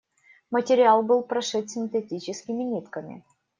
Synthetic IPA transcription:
mətʲɪɾʲɪalˠbɨlˠpɾɐʂɛt̪ʲsʲɪnt̪etʲit͡ɕɪskʲɪmʲɪnʲit̪kəmʲɪ̰

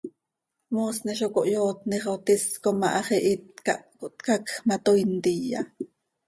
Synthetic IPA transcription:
moːsneʃokoʔjoːt̪niχot̪iskomɑʔɑχɛʔit̪kaʔkoʔt̪kakxmat̪ojnt̪ija̰

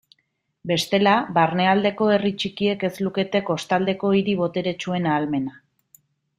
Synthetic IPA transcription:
be̞st̪e̞laβaɾne̞ald̪e̞ko̞e̞rit͡ʃikie̞ke̞zluke̞t̪e̞ko̞st̪ald̪e̞ko̞iɾiβo̞t̪e̞ɾet͡ʃue̞naːlme̞na

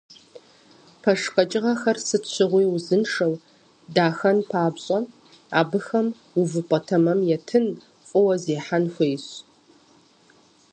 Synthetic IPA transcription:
pʰɐʂqʼɐt͡ʃʼɪʁɐxɐrsɨɕʷʰɨʁʷiːwʊzɨnʂɐw | daːxɐnpʰaːbɕʼɐ | a̰ːbɨxɐm | uvɨpʷʼɔtʰɐmɐmjɛtʰɨn | fʼʊwɐzeːħanxʷeːjɕ

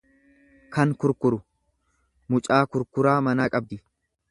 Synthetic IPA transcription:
kɐŋkʊɾkʊɾʊ | mʊt͡ʃʼaːkʊɾkʊɾaːmɐnaːkʼɐb̚d̪ɪ

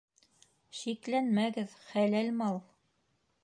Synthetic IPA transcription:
ʃiklænmæɡɘðχælælmɑlˠ

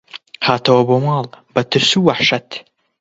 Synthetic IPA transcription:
haːt̪ɐwɐboːmɑːlˠbɐt̪ʰɨɾsuwaħʃɐt̪

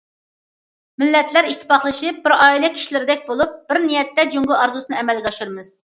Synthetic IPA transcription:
mɪlːɛt̪ʰlæɾiʃt̪ʰɪ̥pɑχlˠɨʃip̚bɪɾɑːilˠɨkʲʰi̥ʃlɪɾɪd̪ɛk̚ʲbolˠup̚b̥ɪɾnijɛt̪ːɛd͡ʒuŋɡʊɑɾzusɨnɨɛmɛlɡʲɛɑʃuɾmɨz̥

